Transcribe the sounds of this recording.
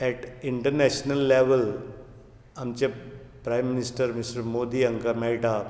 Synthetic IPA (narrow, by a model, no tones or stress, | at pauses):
ɛʈiɳʈəɾnɛɕnəlːeʋəl | amt͡ɕa | pɾajmːinisʈəɾmisʈəmod̪iːəŋkamɛɭʈa